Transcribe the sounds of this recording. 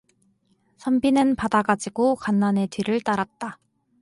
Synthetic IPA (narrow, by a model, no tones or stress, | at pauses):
sʰʌmbinɯnpadaɡad͡ʑiɡokanːane̞tɥiɾɯɭt͈aɾat̚t͈a